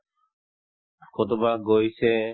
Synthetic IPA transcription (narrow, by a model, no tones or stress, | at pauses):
kot̪obaɡojse